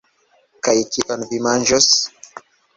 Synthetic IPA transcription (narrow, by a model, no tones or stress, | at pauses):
kajkiʔonvimand͡ʒos